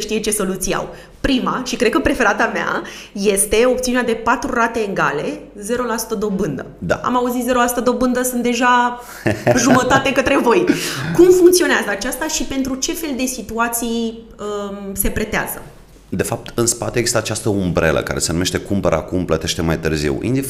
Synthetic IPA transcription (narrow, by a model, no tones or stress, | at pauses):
ʃt̪ijet͡ʃe̞so̞lut̪sia̰w | pɾimaʃikɾed̪̚kəpɾe̞fe̞ɾat̪amea̰ | je̞st̪e̞o̞pt̪siunead̪e̞pat̪ɾurat̪e̞ːɡale̞ | ze̞ɾo̞lasu̥t̪əd̪o̞bɨnd̪ə̰d̪a̰a̰mauzit̪ze̞ɾo̞lasu̥t̪əd̪o̞bɨnd̪əsɨnt̪d̪e̞ʒa | ʒumət̪at̪ekət̪ɾe̞vo̞jkumfuŋkt̪sio̞neazəat͡ʃast̪aʃipe̞nt̪ɾut͡ʃe̞fe̞ld̪e̞sit̪uat̪sij | əse̞pɾe̞t̪ea̰zə | d̪e̞fap̚t̪ɨnspat̪eeːɡzist̪at͡ʃast̪əumbɾḛlə̰ka̰ɾe̞se̞numeʃt̪e̞kumpəɾa̰kumplət̪e̞ʃt̪e̞majt̪ɨrzḭwḭnd̪i